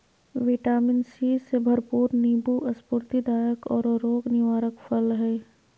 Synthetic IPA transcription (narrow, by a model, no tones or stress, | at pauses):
ʋɪʈaːmɪnsiːsebʱɐɾpuːɾniːbuʔɐspʊɾt̪id̪aːjəkɔːɾɾoːɡnɪʋaːɾəkfʰəlɦɛː